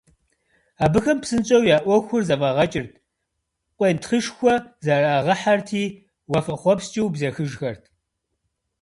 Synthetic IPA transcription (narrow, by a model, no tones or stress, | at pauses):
aːbɨxɐmpsɨnt͡ʃʼɐwjaːʔʷɔxʷʊrzɐvɐʁɐt͡ʃʼɪrtʰ | qʷʼentχɨʂxʷɔzɐraːʁɐħartʰiː | wɐfɐχʷɔpst͡ʃʼɪwbzɐxɨʒxɐrtʰ